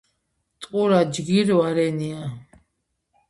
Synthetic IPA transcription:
t̪ʼqʼuɾad͡ʒɡiɾaɾɛnia

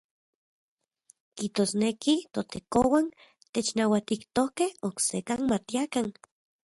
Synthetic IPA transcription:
kiht̪osnekit̪ot̪ekowan | t̪et͡ʃnawat̪ikt̪okehoksekanmat̪iakan

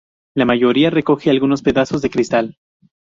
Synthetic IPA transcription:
lamaʝo̞ɾiare̞ko̞xealɣuno̞spe̞ðaso̞zðe̞kɾist̪al

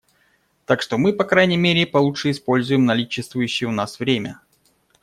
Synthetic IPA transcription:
t̪akʂt̪o̞mɨpɐkɾajnʲɪjmʲeɾʲɪpɐlˠutʂɨɪspo̞lʲzʊjɪmnɐlʲit͡ɕːɪst̪vʊjʉɕːɪjəʊnasvɾʲemʲə̰

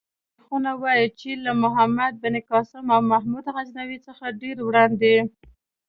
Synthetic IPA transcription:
xunawɑjit͡ʃelamʊɦamad̪̚bɪnikɑsɪmawmaɦmud̪ɣaznawit͡səxaɖeɾwɽɑnd̪e

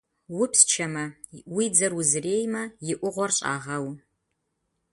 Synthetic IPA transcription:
wʊpst͡ʃʰɐmɐwid͡zɐrwʊzreːjmɐjɪʔʷʊʁʷɔrɕʼa̰ːʁɐw

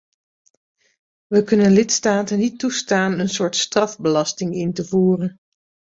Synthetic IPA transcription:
ʋəkɵnənlɪtstaːtənːitːustaːnənsʊːɹtstrɑfbəlɑstɪŋɪntəvuːrən

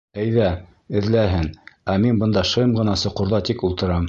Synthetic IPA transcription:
æjðæ | ɘ̆ðlæɦɘnæminbɤ̆nd̪ɑʃɤmʁɤ̆nɑsŏqŏɾðɑt̪ikulˠt̪ɤ̆ɾɑm

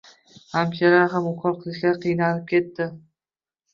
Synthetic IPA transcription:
hamt͡ʃʰaɾaɦamʊkʰɒlˠqʰɨlˠɪʃlʲaɾqʰɨjnalɪp̚kʲʰe̞t̪ːɪ

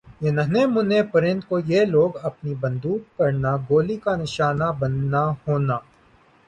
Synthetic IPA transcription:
jenɐɦnemʊnepɐɾɪ̃nd̪̚kojeloːɡɐpnibɐ̃nd̪uːk̚kɐɾnaɡoːlikanɪʃaːnabɐnːahoːnaː

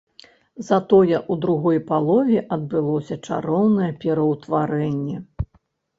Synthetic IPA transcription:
zɐt̪ɔjɛʔud̪ɾuɣɔjpalˠɔvʲɛʔɐd̪̚bɨlˠɔsʲɐt͡ʂa̰ɾɔwnɐjɛpʲɛɾɐwt̪vaɾɛnʲːɛ

